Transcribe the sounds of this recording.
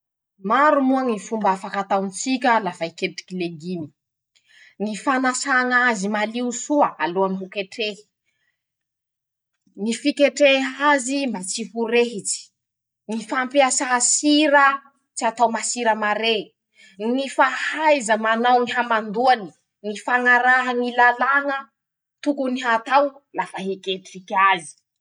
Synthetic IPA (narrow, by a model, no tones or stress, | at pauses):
maɾumuaŋifumbafakat̪awnt͡sikʲəlafajkeʈ͡ʂi̥kileɡini̥ | ŋifanasaŋazimaliusuəaluamiɦukeʈ͡ʂei̥ | ŋifikeʈ͡ʂeazimbat͡siɦuɾeɦit͡si̥ | ŋifampiasaɦasiɾə | t͡siat̪awmasiɾəmaɾe | ŋifahajzəmanawniɦamand̪uani | ŋifaŋaɾaɦəŋilalaŋə | t̪ukuniɦat̪awlafaɦikʲeʈ͡ʂikʲazi̥